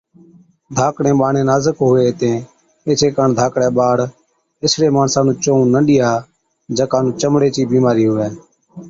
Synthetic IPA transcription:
d̪ʱaːkɽẽːɓaːɳẽːnaːzəkɦʊʋeːt̪ẽː | eːt͡ʃʰeːkəɳd̪ʱaːkɽɛːɓaːɽ | ɪsɽeːmaːnsaːnũːt͡ʃõːũnəɗɪjaː | d͡ʒəkaːnũːt͡ʃəmɽeːt͡ʃiːbiːmaːɾiːɦʊʋɛː

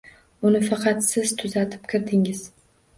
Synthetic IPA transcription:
ʊnɪfɑqʰɑt̪sɪzt̪ʰʊzat̪ʰɪ̥p̚kʲʰɪɾd̪ɪŋɪz

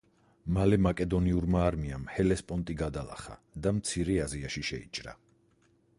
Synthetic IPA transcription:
malɛmakʼɛd̪ɔniuɾmaːɾmiamhɛlɛspʼɔnt̪ʼiɡad̪alˠa̰χa̰ | d̪amt̪sʰiɾɛaziaʃiʃɛit͡ʃʼɾa̰

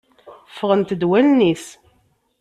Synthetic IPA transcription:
fːəʁənt̪əd̪wælnis

